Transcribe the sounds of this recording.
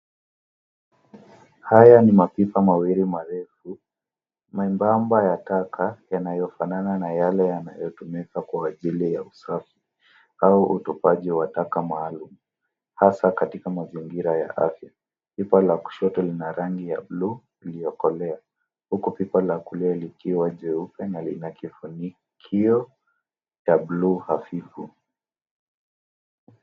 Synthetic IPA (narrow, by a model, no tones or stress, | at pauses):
hajanimapipamawiɾimaɾɛfu | maimbambajatakʰajanajɔfanananajalɛjanajɔtumikakwaːʄilijausafi | auʔutupaʄiwatakamaːlum̩ | hasakatikamaziŋɡiɾaja̰ʔa̰fja | pipalaku̥ʃɔtɔlinaɾaŋɡija̰blu | ilijɔkɔlɛa | hukupipalakulɛɛlikiwaʄɛupɛnalinakifuni | kʰiɔ | t͡ʃabluhafifu